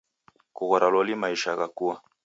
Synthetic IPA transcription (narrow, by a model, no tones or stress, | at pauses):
kuɣɔɾalɔlimaiʃaɣakuwa